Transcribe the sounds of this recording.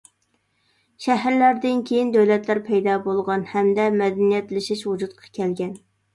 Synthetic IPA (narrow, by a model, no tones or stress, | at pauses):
ʃæɦɾlæɾd̪ɪnkʲʰejind̪øwlɛt̪læɾpʰɛjd̪ɑːbolˠʁɑnhɛmd̪ɛmɛd̪ɛnijɛt̪lɪʃiʃwud͡ʒut̪̚qʰɑ̥kʲʰɛlɡʲɛn